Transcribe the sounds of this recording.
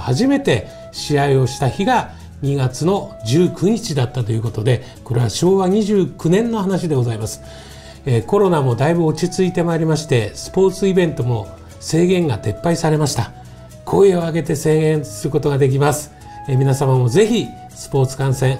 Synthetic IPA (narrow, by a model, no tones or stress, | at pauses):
haʑime̞t̪e̞ | ɕiaio̞ɕi̥t̪açiɡa | ɲ̟iɡat͡sɨno̞d͡ʑɨːkʰɯ̟ɲ̟it͡ɕid̪at̪ːat̪o̞jɯ̟ːko̞t̪o̞d̪e̞ | ko̞ɾe̞βaɕo̞ːβaɲ̟iʑɨːkɯ̟nẽ̞nːo̞hɦanaɕ̬id̪e̞ɡo̞zaimasɨ̥ | eko̞ɾo̞namo̞d̪aibɯ̟o̞t͡ɕit͡sɨit̪e̞maːɾʲimaɕi̥t̪e̞sɨ̥po̞ːt͡sɨibẽ̞nt̪o̞mo̞ | se̞ːɡẽ̞ŋɡat̪e̞pːaisaɾe̞maɕi̥t̪a | kʰo̞ieoaɡe̞t̪e̞se̞ːɡẽ̞ɰ̃sɨɾɯ̟ko̞t̪o̞ɡad̪e̞k̬ʲimasɨ̥ | mʲinasamamo̞ze̞çʲi | sɨ̥po̞ːt͡sɨ̥kãɰ̃sẽ̞ɴ̃